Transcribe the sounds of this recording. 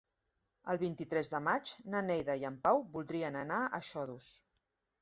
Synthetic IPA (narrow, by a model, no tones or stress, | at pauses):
əlˠβint̪it̪ɾɛzðəmad͡ʒnənɛjðəiəmpawβulˠd̪ɾiənənaə̰ʃɔðus